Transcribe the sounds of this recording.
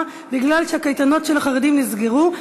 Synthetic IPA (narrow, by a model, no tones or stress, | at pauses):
biɡlalʃeakajt̪ano̞tʃelaχaʁedimnizɡeʁu